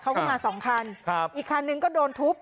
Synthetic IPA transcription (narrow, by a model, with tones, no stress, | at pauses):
kʰa˦˥wkɔː˥˩maː˧sɔː˩˦ŋkʰa˧n̚ʰ˦ʔiː˨˩kʰːa˧nːɯ˧ŋkɔː˥˩doː˧nt̪ʰu˦˥p̚